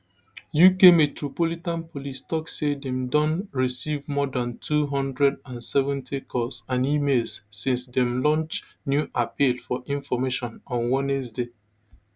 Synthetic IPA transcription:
jukemetɹopolitãnpʰolistɔksedɛ̃mdɔ̃nɹisivmɔdãntʰuɦɔ̃ndɹɛdãnsɛvɛ̃ntʰikʰɔsãnimelssĩnsdɛ̃mlɔ̃nt͡ʃ | njuʔapilfɔʔĩnfɔmeʃɔ̃nɔ̃nwɔ̃nɛsde

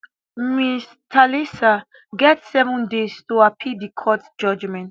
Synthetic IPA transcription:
mis | tʰalisa | ɡɛtsɛvɔ̃ndestuapʰidikʰɔtd͡ʒɔd͡ʒmɛ̃nt

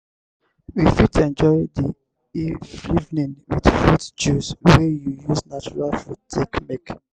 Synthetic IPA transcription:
wifitɛ̃nd͡ʒɔɪdi | iivnĩnwḭdfutd͡ʒuswɛjujuznat͡ʃuɹalfutʰekmek

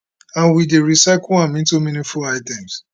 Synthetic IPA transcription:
ãnwideɹisaɪkloãmĩntumĩnĩfulaɪtɛ̃ms

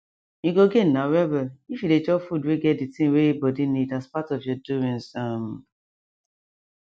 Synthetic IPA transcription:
iɡoɡenawɛbɛifjuded͡ʒɔkfudweɡɛt̚ditĩŋweebɔdinidaspatɔvjɔduĩnsam

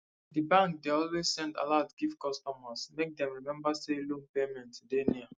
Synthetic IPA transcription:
dibãŋkdeɔlwez̥sɛ̃nta̰laʊdɡifkɔstɔmasmek̚dɛ̃mɹimɛ̃mbaselũpemɛ̃ntːudeniə

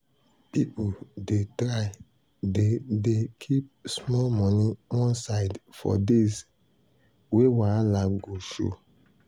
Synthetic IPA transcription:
pipodetɾaɪ | dedekʰip̚smɔlmɔniwɔ̃nsaɪdfɔ̰des | wewaalaɡoʃo̰

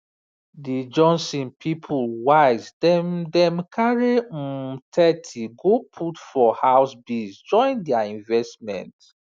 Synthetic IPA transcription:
did͡ʒɔ̃nsĩnpʰipʰulwazdɛmdɛ̃mkʰaɹetʰɛtʰiɡopʰutfɔhawsbisd͡ʒɔ̃ɪ̃ndɛaĩnvɛstmɛ̰̃nt

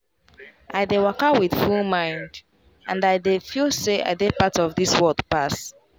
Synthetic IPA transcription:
ʔaɪdewakawið̥fulˠmãɪ̃nd | ãndaɪdefilseʔa̰ɪdepatɔvðiswɜlˠdpas

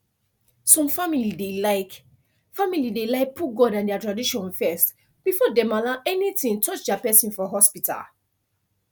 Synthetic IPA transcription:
sɔ̃mfamilidelaɪk | familidelaɪk̚pʰuɡɔdãndɛatɹadiʃɔ̃nfɛst | b̥ifɔdɛmalaʔɛnitĩntʰɔt͡ʃdɛapɛsĩnfɔɦɔspita̰l

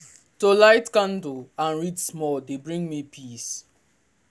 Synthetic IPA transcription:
tolaɪtkãndoãnɹitsmɔldebɹĩŋmipʰis

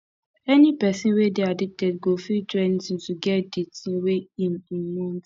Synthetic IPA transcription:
ɛnipɛsĩnwedeadik̚tɛdɡofitɹɛ̃ntĩntuɡɛtditĩweĩmĩnmũn

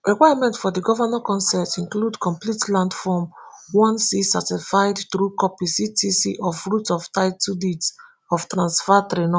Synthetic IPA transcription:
ɹɛkwajamɛ̃ntfɔdiɡɔvanakɔ̃nsɛtĩnkludkɔ̃mplitlãndfɔmwɔ̃nsisatisfaɪdtɾukɔpisitʰisḭʔɔfɹutɔftaɪtudit | ɔftɹãnsfatɾenɔ

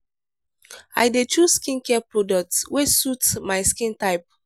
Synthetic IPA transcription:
a̰jdetuskĩnkɛpɹɔdɔk̚tswesutmaɪskĩntaɪp̚

